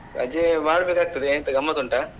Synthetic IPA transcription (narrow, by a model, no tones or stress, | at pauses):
ɐ̰d͡ʒeʋaːɽbeːkaːɡ̚t̪ɐd̪ent̪ɐɡɐmːɐt̪uɳʈɐ